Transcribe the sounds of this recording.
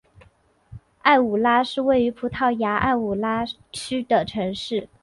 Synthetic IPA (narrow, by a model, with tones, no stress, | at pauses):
a˥˩ɪu˨˩la˥ʂɻ̩˥˧we˥˩ɪy˧˥pʰu˧˥t̪ʰɑ˥˩ʊja˧˥ʔa̰˥˩ɪu˨˩la˥ | t͡ɕʰy˥d̪ə˨ʈ͡ʂʰɤ˧˥ŋʂɻ̩˥˩